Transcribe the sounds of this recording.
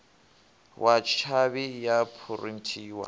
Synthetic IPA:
wʔat͡ʃʰabɪjapʰʊrim̩tʰiːwa̰

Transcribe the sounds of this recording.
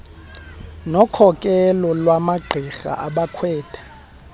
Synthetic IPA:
nɔkʰɔkʼɛlɔlwamaɡ͡ǃʱixa̰ʔaɓakʰwɛːtʰʼḁ

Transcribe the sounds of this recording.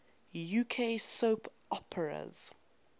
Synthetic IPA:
juːkʰesoːpʰ | ɔpʰəɹə̰z̥

